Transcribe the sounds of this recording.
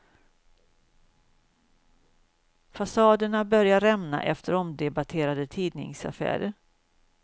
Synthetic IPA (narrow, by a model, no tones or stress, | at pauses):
fasɑːd̪əɳabœɾjaɾɛmna̰ʔɛft̪ʰəɾɔmd̪ɛbat̪ʰeːɾad̪ət̪ʰiːd̪nɪ̰ŋsa̰fæ̰ːɾə